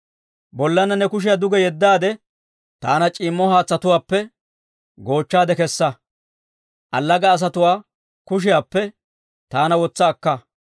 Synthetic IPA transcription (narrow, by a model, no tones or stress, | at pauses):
bɔlːɐnɐnɛkʊʃ̬ɪjad̪ʊɡɛjɛd̪ːaːd̪ɛ | t̪aːnɐt͡ʃʼiːmːɔhaːt͡sːɐt̪ʊwaːpːɛ | ɡo̞ːt͡ʃːaːd̪ɛkɛsːɐ | ʔɐlːɐɡɐːs̬ɐt̪ʊwaː | kʊʃ̬ɪjaːpːɛ | t̪aːnɐwɔt͡sːɐːkːɐ